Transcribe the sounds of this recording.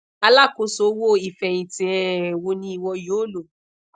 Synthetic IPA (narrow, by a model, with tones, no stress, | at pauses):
a˧la˦˨ko˧˦so˨˦wo˦i˨fɛ˨ĩ˨tĩ˨ɛ˨wo˧˦nĩ˧˦i˨wɔ˧jo˨˦lo˨